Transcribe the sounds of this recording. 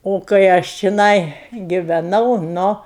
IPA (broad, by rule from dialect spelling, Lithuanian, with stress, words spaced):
oː kɐɪ ˈɐʃ t͡ʃʲɪˈnɐɪ ɡʲɪʋʲɛˈnɐʊ ˈnʊ